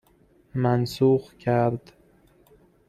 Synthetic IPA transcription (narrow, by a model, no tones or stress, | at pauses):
mansuqkʰaɾd̪